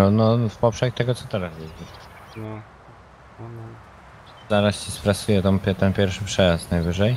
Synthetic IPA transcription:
ɔnɔfpɔpʂɛxt̪ɛɡɔt̪sɔ̥t̪ɛɾasvɛd͡ʑi | nɔ | ɔnɔ | zaɾasɕɛspɾasujɛt̪ɔ̃mpʲɛt̪ɛnpʲjɛɾfʂɘpʂɛjast̪najvɘʐɛj

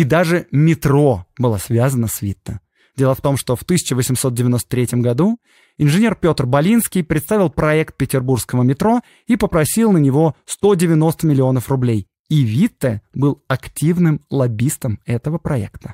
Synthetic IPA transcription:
id̪aʐɨmʲɪt̪ɾo̞bɨlˠasvʲazənəsvʲit̪ːə̰ | dʲe̞lˠəft̪o̞mʂt̪oft̪ɨsʲɪ̥t͡ɕɪvəsʲɪmso̞t̪̚dʲɪvʲɪno̞st̪ə̥t̪ʲɾʲetʲɪmɡɐd̪u | ɪnʐɨnʲe̞rpʲo̞t̪rbɐlʲinskʲɪjpɾʲɪt̪st̪avʲɪlˠpɾɐɛkt̪̚pʲɪtʲɪrburskəvəmʲɪt̪ɾo̞ | ipəpɾɐsʲilˠnənʲɪvo̞st̪o̞dʲɪvʲɪno̞st̪əmʲɪlʲɪo̞nəfrʊblʲej | ivʲit̪ːəbɨlˠɐktʲivnɨmlˠɐbʲist̪əmɛt̪əvəpɾɐɛ̰kt̪ə̥

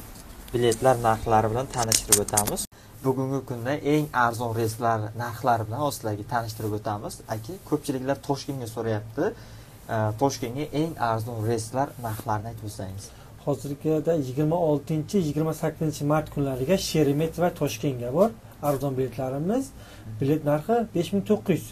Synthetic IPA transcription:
bɪlʲe̞t̪ʰlaɾnaɾχlaɾɪbɪlant̪ʰanɪʃt̪ɪɾɪpot̪ʰamɪz | bʊɡʲʊŋɡʲɪkʰʊnd̪aʔe̞ŋaɾzɒnɾest̪laɾnaɾχlˠaɾɪbɪlanɒst̪ɪd̪aɡʲɪt̪ʰanɪʃt̪ɪɾɪpot̪ʰamɪz̥akʲʰɪkʰɵp̚t͡ʃʰɪlɪkʲlaɾt̪ʰɒʃkʲe̞ŋɡʲasoɾajap̚t̪ʰɪ | t̪ʰɒʃkʲe̞ŋɡʲaʔe̞ŋaɾzɒnɾe̞st̪laɾnaɾχlaɾɪnɪajt̪ʰɪbosajmɪz̥ | hɒzɪɾɡʲɪd̪ajɪɡʲɪɾmaɒlˠt̪ʰɪnt͡ʃʰɪjɪɡʲɪɾmasakʲʰːɪzɪnt͡ʃʰɪmaɾt̪kʰʊnlaɾɪɡʲaʃe̞ɾɪme̞t̪vat̪ʰɒʃkʲe̞ŋɡʲabɒɾ | aɾzɒnbɪle̞t̪ʰlaɾɪmɪz | bɪle̞t̪naɾχɪbe̞ʃmɪŋt̪ʰoqʰːʊjz̥

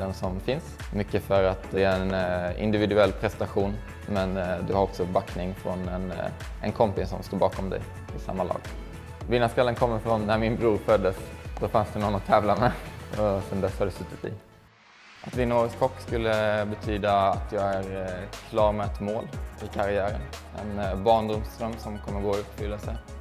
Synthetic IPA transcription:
ɛnsɔmfɪnsmʏkːəfœɾat̪ɛnɪ̰nd̪ɪvɪd̪ɵɛlːpʰɾɛst̪aɧuːn | mɛnd̪ɵhaɾɔksɔbakːnɪŋfɾɔnɛnʔɛ̰nkʰɔmpɪssɔ̰mst̪oːɾbɑːkɔmd̪ɛ̰jʰ | ɪsa̰mːalɑ̰ːɡ̥ | vɪnːaskalːənkʰɔmːəɾfɾɔnːæɾmɪnbɾuːɾfœd̪ːəsd̪̥ɔfansd̪ɛnɔnːɔt̪ʰɛːvlamɛɔsɛnd̪ɛshad̪ɛsʉːt̪ːɪt̪ɪ̰ | ʔat̪d̪ɪnːoɾəskʰɔkːskɵlːəbɛt̪ʰyːd̪aːt̪ʰjɑːɡæɾkʰlɑːɾmɛɛt̪moːlɪkʰaɾɪæːɾə̰nɛ̰nbɑːɳd̪ʊmst̪ɾœmsɔmkʰɔmːəɾɡoːɵp̪ːfʏlːasɛj

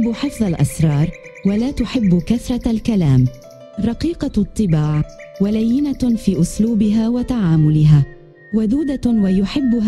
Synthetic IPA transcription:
bːʊħɪfðˤalʔɑ̰sɾˤɑːɾˤ | walaːt̪ʊħɪbːʊkaθɾˤɑlkalaːm | rˤɑqiːqɑt̪ˤːɨbaːʕwalajːɪnafiːʔʊsluːbɪɦaːwat̪aʕaːmʊlɪɦaː | waðuːd̪awajʊħɪbːʊɦ

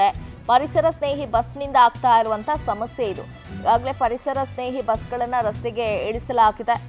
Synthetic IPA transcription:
epɐɾisɐɾɐsne̞ːɦibɐsnind̪ɐaːɡ̚t̪aːjiɾuʋɐnt̪ʰɐsɐmɐsjeid̪ṵ | ɡaːɡɐle̞pɐɾisɐɾɐsne̞ːɦibɐsɡɐɭɐnːɐɾɐst̪eɡe̞eɭisɐlaːɡid̪e

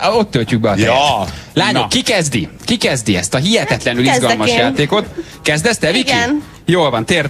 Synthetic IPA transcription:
o̞t̪ːølt͡ʃyɡ̚bɛɒt̪ɛlaːɲokːikɛzd̪ikikɛzd̪iɛ̰st̪ɒɦiɦɛt̪ɛt̪lɛnylzɡɒlmɒʃjaːt̪eːko̞t̪ | kɛzd̪ɛst̪ɛviki | joːlvɒnt̪eːr

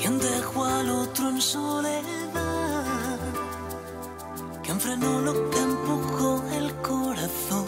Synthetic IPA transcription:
kand̪exwalot̪ɾoensoleða | keɱfɾenolot̪empokoŋelkoɾaθoŋ

